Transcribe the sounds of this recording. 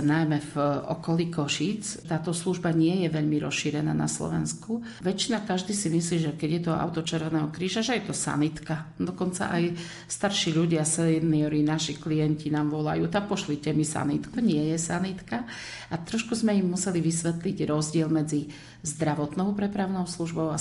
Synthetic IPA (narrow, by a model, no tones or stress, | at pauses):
najmɛvʔɔ̰kɔliːkɔʃiːt͡st̪aːt̪ɔsluʒbaɲɪɛjɛʋɛʎmiɾɔ̰sʃiːɾɛna̰ːna̰slɔ̰ʋɛ̰nsku | ʋɛt͡ʃinakaʒd̪iːsimisliːʒɛkɛɟjɛt̪ɔa̰ʊt̪ɔt͡ʃɛɾʋɛnɛːɦɔkɾiːʒaʒɛjɛt̪ɔsa̰nit̪kad̪ɔkɔnt͡sa̰ʔaj | st̪aɾʃiːʎuɟɪasɛniɔɾinaʃiklijɛɲcinaːmʋɔla̰juːt̪ak̚pɔʃlicɛmisa̰nit̪kuɲɪɛjɛsanit̪ka | at̪ɾɔʃkuzmɛimːusɛliʋisʋɛt̪liɟɾɔzɟɪɛlmɛd͡zi | zd̪ɾaʋɔt̪nɔʊpɾɛpɾaʊnɔʊsluʒbɔʊa